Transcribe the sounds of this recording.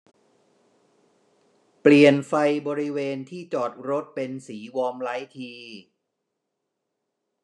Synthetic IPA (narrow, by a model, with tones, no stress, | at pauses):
pli˨˩ənfa˧jbɔː˧ɾi˦˥weː˧nt̪ʰiː˥˩t͡ɕɔː˨˩t̪̚ɾo˦˥t̪̚pe˧nsiː˩˦wɔː˧mla˦˥jt̪ʰiː˧